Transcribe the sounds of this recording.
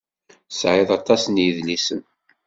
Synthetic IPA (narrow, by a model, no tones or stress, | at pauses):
sʕɪðˤɑt̪ˤɑsnjiðlisən